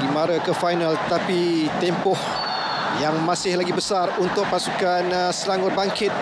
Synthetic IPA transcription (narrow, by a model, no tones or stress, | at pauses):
imaɾakəfajnalt̪ət̪apit̪ɛmpɔh | jaŋmãsɪhlaɡibəsarunt̪ʊk̚pasukansəlaŋʊt̚baŋkɪt̪̚